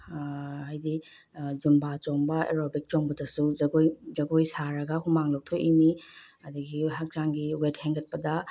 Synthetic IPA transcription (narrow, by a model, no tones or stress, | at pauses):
ɦajdi | d͡ʒumbat͡ʃoŋbɐḛɾobik̚t͡ʃoŋbɐdɐsuzɐɡojzɐɡojsaɾɐɡɐhumaŋlok̚tʰojʔini | ɐduɡiɦak̚d͡ʒaŋɡiwetheŋɡɐt̚pɐdɐ